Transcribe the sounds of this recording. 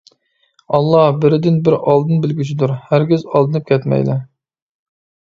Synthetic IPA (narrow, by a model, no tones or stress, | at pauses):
ɑlˠːɑhbɪɾɪd̪ɪnbɪɾɑlˠd̪ɨnbɪlɡʲyt͡ʃʰid̪uɾhæɾɡʲɪzɑlˠd̪ɨnɨp̚kʲʰɛt̪mɛ̰jlɪ̰